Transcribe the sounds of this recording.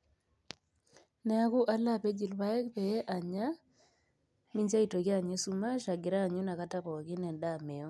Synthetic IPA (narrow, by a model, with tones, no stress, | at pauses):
nɛ˦a˦ku˦ʔa˦la˦pe˦d͡ʒi˨lwa˦e˦kpɛ˨˦ʔa˨ɲa˦ | mi˦ɲd͡ʒa˦i˨to˨ka˦˨ɲe˦su˦ma˦ʃa˨ɡɪ˨ɾa˦˨ɲu˦na˨ka˦ta˦βɔ˨ki˦nɛ˨nda˦˨me˨o˦